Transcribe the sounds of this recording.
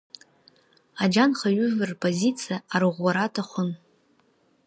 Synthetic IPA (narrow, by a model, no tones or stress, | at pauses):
ad͡ʒanχaɥʏvɨrpʰʼozit͡sʰijaːɾɨʁʷwaɾatʰaχʷʊn